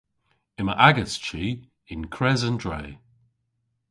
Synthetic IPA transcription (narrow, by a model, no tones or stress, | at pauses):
ɪməʔaɡəst͡ʃi | ɪnkʰɹɛzəndɹḛː